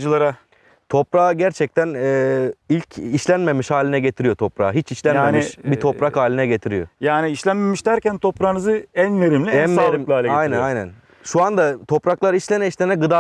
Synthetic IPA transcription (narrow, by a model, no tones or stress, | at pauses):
d͡ʒɯlˠaɾa | t̪ʰo̞pɾaːɟæɾt͡ʃʰɛc̚t̪ʰænɛːilʲcʰiʃlʲænme̞miʃhaːlʲinɛɟe̞t̪ʰiɾijo̞t̪ʰo̞pɾa̰ːɦit͡ʃiʃlʲænmenmiʃbit̪ʰo̞pɾakhaːlʲinɛɟet̪ʰiɾijo̰jaːniiʃlʲænmemiʃt̪æɾcænt̪ʰopɾanɯzɯænjeɾimlʲiɛnmeɾmlˠaːlʲɛajnænajnæ̰n | ʃuand̪at̪ʰo̞pɾaklˠaɾɯiʃlʲenɛiʃlʲenɛɡɯd̪a